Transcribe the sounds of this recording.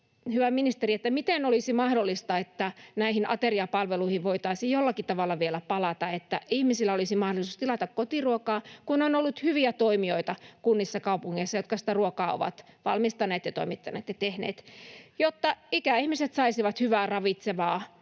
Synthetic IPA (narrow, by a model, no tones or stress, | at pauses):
hyʋæminist̪eriet̪ːæmit̪enolisimɑhdolːist̪ɑet̪ːænæihinʔɑ̰t̪eriɑpɑlʋeluihiʋʋoit̪ɑisijjolːɑkit̪ɑʋɑlːɑʋielæpɑlɑt̪ɑet̪ːæihmisilːæolisimɑhdolisuːst̪ilɑt̪ɑkkot̪iruokɑːkunonolːut̪hyʋiæt̪oimioit̪ɑkunːisːɑkɑupuŋːeisːɑjot̪kɑsi̥t̪æruokɑːo̰ʋɑ̰t̪ʋɑ̰lmist̪ɑnːeːt̪jɑt̪o̰imit̪ːɑnḛːt̪jɑt̪ehnḛːt̪jot̪ːɑikæihmiset̪sɑisiʋɑt̪hyʋæːrɑʋit̪seʋɑː